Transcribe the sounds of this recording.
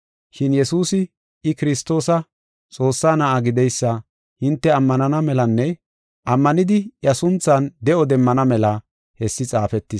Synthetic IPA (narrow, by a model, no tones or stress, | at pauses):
ʃɪnjɛsuːsɪ | ɪkɪɾɪst̪ːo̞ːsɐ | t͡sʼo̞ːsːaːnɐʔɐɡɪd̪ɛjsːɐ | hɪnt̪ːɛɐmːɐnɐnɐmɛlɐnːɛ | ʔɐmːɐnɪd̪ɪjɐsʊnt͡sːɐnd̪ɛɔd̪ɛmːɐnɐmɛlɐ | hɛsːɪt͡sʼaːfɛt̪ːɪ